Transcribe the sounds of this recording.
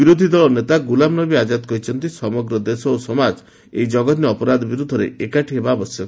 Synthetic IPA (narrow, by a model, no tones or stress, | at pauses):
biɾod̪ʱid̪ɔɭɔnet̪aɡulamnɔbiad͡ʒad̪kɔɦit͡ʃʰɔnt̪isɔmɔɡɾɔd̪esɔosɔmad͡ʒ | ḛjd͡ʒɔɡɔt̪niɔpɔɾad̪ʱɔbiɾud̪ʱːɔɾḛʔekaʈiɦebabɔsjɔ